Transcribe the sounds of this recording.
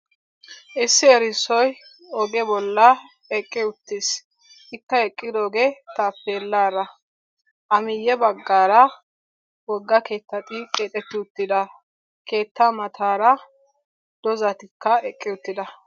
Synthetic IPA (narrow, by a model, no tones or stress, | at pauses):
ʔɪsːɪɛɾɪsːɔj | ɔɡɛbɔlːɐ | ɛkʼːɪʊt̪ːɪs | ɪkːɐɛkʼːɪd̪oːɡet̪aːpːeːlːaːɾɐ | ʔɐmɪjːɛbɐɡːaːɾɐ | wɔɡːɐke̞ːt̪ːɐt̪ʼɪkʼeːt̪ʼɛt̪ːɪʊt̪ːɪd̪ɐ | ke̞ːt̪ːamɐt̪ʰaːɾɐ | d̪̥ɔzɐt̪ɪkːɐɛkʼːɪʊt̪ːɪd̪ɐ